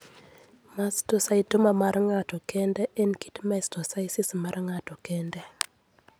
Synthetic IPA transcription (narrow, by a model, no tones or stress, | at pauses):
mastosaitomamaɾŋatɔkɛndɛʔɛnkitmaɛstɔsaisismaɾŋatɔkɛndɛ